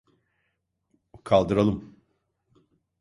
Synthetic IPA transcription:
kʰalˠd̪ɯɾalˠɯm

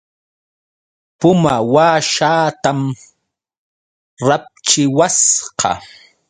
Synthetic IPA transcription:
pʊmawaːʃaːt̪am | ɾap̚t͡ʃɪwasqɑ̰

